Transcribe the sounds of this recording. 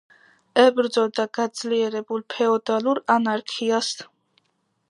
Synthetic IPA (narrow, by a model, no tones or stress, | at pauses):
ɛbɾd̪zɔld̪aɡad̪zliɛɾɛbulpʰɛɔd̪aluɾanaɾkʰias